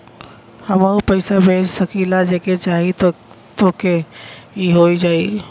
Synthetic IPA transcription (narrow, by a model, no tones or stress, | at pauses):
həməupəɪsabʱed͡ʒsəkilad͡ʒeket͡ʃaːɦit̪ | t̪okeiɦoid͡ʒaːi